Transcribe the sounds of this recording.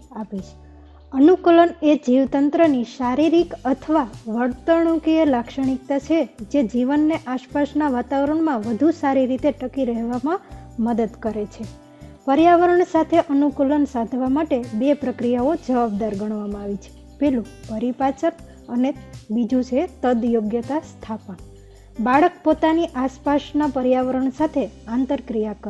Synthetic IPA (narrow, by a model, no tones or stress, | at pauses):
apid͡ʒ | ənukələned͡ʒiʋt̪ənt̪ɾəniʃaɾiɾikət̪ʰəʋaʋəɾt̪əɳukielakʃəɽ̃ik̚t̪at͡ʃʰed͡ʒed͡ʒiʋənːeʔaʃpaʃnaʋat̪aʋəɾəɳmãʋəd̪ʱusaɾiɾit̪eʈəkiɾəɦʋamãməd̪əd̪kəɾet͡ʃʰe | pəɾjaʋəɾəɳsat̪ʰeʔənukulənsad̪ʱʋamaʈebepɾəkɾijaod͡ʒəʋab̚d̪aɾɡəɳ̃ʋamãaʋit͡ʃʰe̥ | pelũpəɾipat͡ʃəɾ | ənebid͡ʒũt͡ʃʰet̪əd̪joɡjət̪ast̪ʰapən | baɭək̚pot̪aniʔaspaʃnapəɾjaʋəɾəɳsat̪ʰeãnt̪əɾkɾijakə